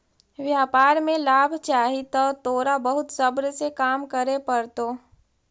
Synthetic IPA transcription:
ʋjaːpaːɾmẽlaːbʱt͡ʃaːɦit̪ət̪oːɾabəɦʊt̪səbɾsekaːmkəɾepəɾt̪o

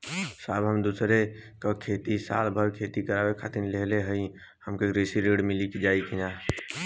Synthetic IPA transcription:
saːbʱɦəmd̪usɾekəkʰet̪isa̰lbʱəɾkʰet̪ikəɾabekʰat̪inleɦleɦəi | həmkeɡɾesiɾeɽmiliked͡ʒaikina

